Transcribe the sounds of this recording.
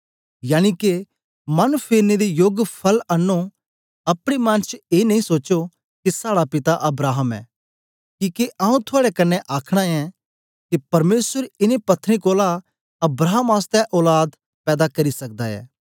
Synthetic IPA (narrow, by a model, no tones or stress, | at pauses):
jaːñike | mɐnpʰeːɾned̪ejoːɡpʰɐlɐnːo | ɐpɽ̃imãnt͡ʃeːnɐɦĩsoːo | kisaːɽapɪt̪aʔɐbɾaːɦəmɛ̰ː | kiːkeʔaːũt̪ʰʊaːɽɛkɐnːɛʔaːkʰɽ̃aɛ̃ | kipɐɾmeːsəɾɪnepɐt̪ʰːɾĩkoːla | ɐbɾaːɦəmaːst̪ɛʔɔːlaːd̪ | pɛːd̪akɐɾisɐk̚d̪aɛ̰ː